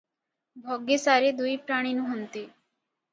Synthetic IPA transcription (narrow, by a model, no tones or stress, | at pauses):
bʱɔɡesaɾed̪ujpɾaɽ̃inuɦont̪iː